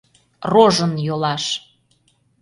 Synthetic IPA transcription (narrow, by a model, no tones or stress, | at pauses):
roʒənjolɑʃ